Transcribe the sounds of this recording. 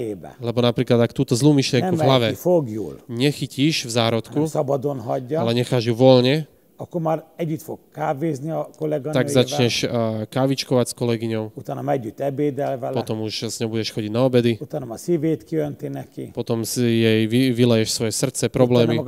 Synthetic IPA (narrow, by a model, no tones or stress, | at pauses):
eːbɛ̰lɛbɔnapɾiːklad̪akt̪uːt̪ɔzluːmiʃlɪɛŋnkuvɦlaʋɛifoɡjṵːlɲɛxiciʃvzaːɾɔt̪kusɒbɒd̪onɦɒɟːalɛɲɛxaːʒjuʋɔlɲɛ | ɒkːoɾmaːɾɛɟːyt̪fokkaːveːzniɒkolɛɡɔnaɡzat͡ʃɲɛʃkaːʋit͡ʃkɔʋacskɔlɛɡiɲɔʊut̪aːnɔmɛɟːyt̪ːɛbeːd̪ɛlvɛlpɔt̪ɔmuʃz̥ɲɔbuɟɛʃxɔɟiɟnaɔbɛd̪iut̪aːnɔmasiveːt̪kiønt̪inɛkḭpɔt̪ɔmsjɛjʋiʋilɛjɛʃsʋɔjɛsr̩t̪t͡sɛpɾɔblɛːmi